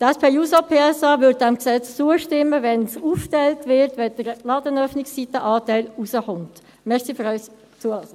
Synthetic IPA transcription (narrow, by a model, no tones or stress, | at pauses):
dɛspʰeːjuːsapʰeːɛsɑːvʏd̚dɛmksɛt͡st͡suːəʃtɪmːəvɛnsuːftɛltvɪɾtʋɛd̥əɾlɑːdənœfnɪksːitəʔɑːtæɪlusəχʊnt | mɛʁsifyːɾœʏs | t͡suə